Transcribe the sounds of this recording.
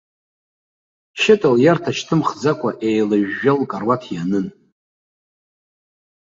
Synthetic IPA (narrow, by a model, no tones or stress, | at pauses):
ʃɪtʼaljartʰaʃtʰɨmχd͡zakʷʰʼaʔejlɨʒːalkʼarwatʰjanɨn